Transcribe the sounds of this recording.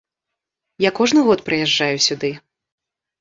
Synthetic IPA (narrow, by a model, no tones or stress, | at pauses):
jakɔʐnɨɣɔt̪pɾɨjɛʐd͡ʐːajusʲud̪ɨ